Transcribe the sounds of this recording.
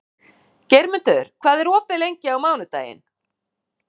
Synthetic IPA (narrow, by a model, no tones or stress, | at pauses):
cɛjɾmʏnt̪œʏɾ̥kʰvaːðɛɾɔːpɪlejɲcɪawmaːwnʏt̪a̰ːjɪ̰n